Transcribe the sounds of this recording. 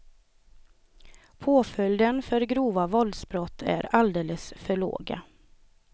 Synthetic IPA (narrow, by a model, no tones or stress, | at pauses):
pʰoːfœld̪ənfœɾɡɾuːʋavɔld̪sbɾɔt̪ʰːæ̰ːɾald̪eːləsfœɭo̰ːɡa̰